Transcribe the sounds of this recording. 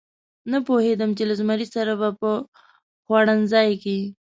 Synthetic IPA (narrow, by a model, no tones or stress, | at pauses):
napohed̪əmt͡ʃelazmaɾisaɾabapə | xwɑɽanzɑjke